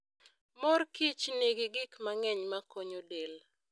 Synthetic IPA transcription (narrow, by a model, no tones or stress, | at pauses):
mɔrkit͡ʃneɡɪɡɪkmaŋɛɲmakoɲodel